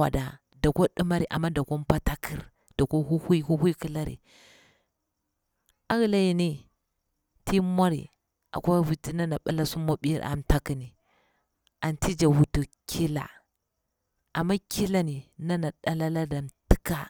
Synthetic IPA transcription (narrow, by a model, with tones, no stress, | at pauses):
a̰˨da˨ | da˨ko˦ɗu˦ma˦ɾi˨ʔa̰˨mːa˦da˨ko˦m˦pa˦ta˦kʰi˦ɾ | da˨ko˦hu˦hi˦hu˦hu˦i˦ki˦la˦ɾḭ˨ | a˦ɣla˨ji˨ni˦ | tʰi˦mo˦ɾḭ˨ | ʔa̰˨kʷa˦wi˨ti˦na˦na˨ɓa˦la˦su˦mo˦ɓḭ˦ɾʔa̰˨mta˦ki˨ni˨ | a˨nti˦d͡ʒa˨wu˨˦tu˨kʰi˦la̰˨ | ʔa˨mːa˦ki˦la˦ni˨na˦na˨ɗa˦la˦la˦da˨mti˦ka˨